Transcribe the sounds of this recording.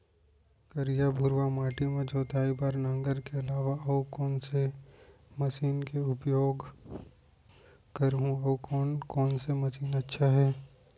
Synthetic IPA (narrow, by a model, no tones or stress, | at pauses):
kɐɾijabʱʊɾwamaːʈimẽd͡ʒɔːt̪aːibaːɾnãːŋɡəɾkeɐlaːʋaɐukɔːnse | mɐsiːnkeʊpjoːɡ | kɐɾɦũɔkɔːnkɔːnsemɐsiːnɐtːʃʰaɦɛː